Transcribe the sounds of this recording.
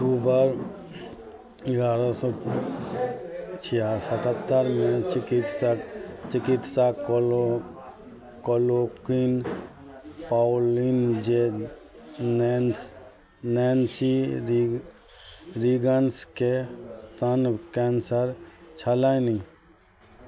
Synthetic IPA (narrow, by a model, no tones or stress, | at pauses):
ʈuːbəɾ | ɡaːɾasɔː | t͡ʃʰiasət̪ət̪ːəɾmẽt͡ʃɪkit̪sat͡ʃɪkɪt̪sak | kolokin | paːwlind͡ʒe | n | nɛːnsi | ɾiɡənskest̪ʰankɛːnsəɾt͡ʃʰəlani